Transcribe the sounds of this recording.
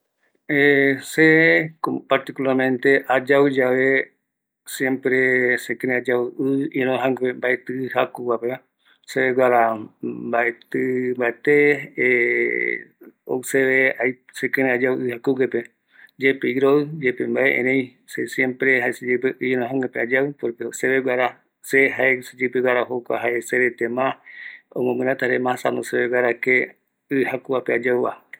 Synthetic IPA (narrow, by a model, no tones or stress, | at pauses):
esekopaɾt̪ikulaɾmẽnt̪eʔad͡ʒawɨd͡ʒaʋe | sjempɾesekẽɾẽad͡ʒawɨinõɦãŋembaet̪ɨɨhakuwapea | seɡaɾambaet̪ɨmbaet̪e | o̰wseβeajsekẽɾ̃ẽad͡ʒawʔɨhakukepe | d͡ʒepeiɾoɨd͡ʒepembaʔeʔḛ̃ɾẽj̃ | sesjempɾeɦaesed͡ʒepeʔɨnãɦãŋẽpead͡ʒawpoɾkeoseβeɡʷaɾa | seɦaesed͡ʒepeɡʷaɾaɦokʷa̰ɦaeseɾet̪emãõ̰mõmɨ̃ɾãt̪aɾemãsanoseβeɡʷaɾake | ɨhakuapead͡ʒawβa̰